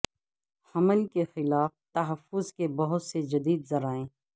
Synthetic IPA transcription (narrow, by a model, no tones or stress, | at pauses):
hɐməlkexɪlaːft̪ɐɦəfːʊzkebɐɦʊt̪sed͡ʒɐd̪iːd̪zɐɾaːẽː